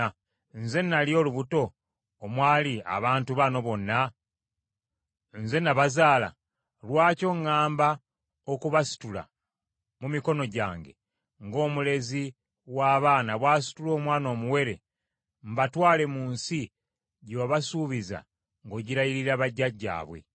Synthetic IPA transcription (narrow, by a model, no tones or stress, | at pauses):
nze̞nːaljo̞luβuto̞ː | mwaːlia̰βaːntuβano̞βo̞nːa | nze̞naβazaːla̰ | lwaːco̞ŋːaːmba | okuβasi̥tula̰ | mumiko̞no̞ɟa̰ːŋɡe̞̰ | ŋɡo̞ːmule̞zi | waːβaːnaβwaːsi̥tulo̞ːmwaːno̞ːmuwe̞ɾe | mbatwaːle̞muːnsi | ɟoβwaβasuːβiza̰ | ŋɡo̞ɟiɾajiɾiɾaβaɟːaɟːa̰ːβwe̞̰